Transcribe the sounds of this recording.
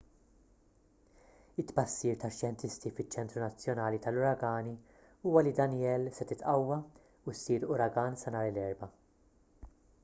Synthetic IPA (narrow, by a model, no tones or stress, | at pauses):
ɪt̪ːbɐsːiːɾt̪ɐʃjɛnt̪ɪst̪ifɪt͡ʃːɛnt̪ɾunɐt͡sːjɔnɐːlit̪ɐlʊɾɐɡɐːni | uːwɐlid̪ɐnjɛːlsɛt̪ɪt̪ʔɐwːɐ | usːiːɾʊɾɐɡɐːnsɐnɐːɾlɛːɾbɐ